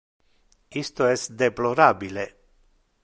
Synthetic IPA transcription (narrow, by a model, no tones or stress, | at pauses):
ist̪oest̪d̪eplo̞ɾabile